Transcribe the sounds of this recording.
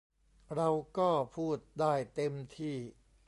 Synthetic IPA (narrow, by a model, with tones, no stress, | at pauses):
ɾa˧wkɔː˥˩pʰuː˥˩t̪̚daː˥˩jt̪e˧mt̪ʰiː˥˩